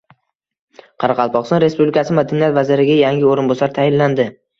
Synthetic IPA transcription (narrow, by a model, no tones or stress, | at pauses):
qʰɑɾɑqʰɑlˠpʰɒχsɒnɾe̞spublɪkʰasɪmad̪anijat̪vazɪɾɪɡʲajaŋʲɪoɾɪnbɒsaɾt̪ʰajɪnlːand̪ɪ